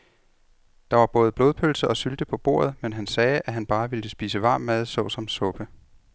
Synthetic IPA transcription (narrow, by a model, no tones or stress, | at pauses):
d̥ɑ̈ʋɑ̈b̥ɔ̽ːðˠəb̥lo̝ːð̞ˠpʰølsəʔɒ̽syld̥əpʰɒ̽b̥o̝̰ːɐ̰ð̞̩ˠmenɦænsɛːʔæɦænb̥ɑ̈ːʋiləsb̥iːsəʋɑ̈ːmːæð̞ˠsɒ̽ʊsɒ̽msɔ̽b̥ə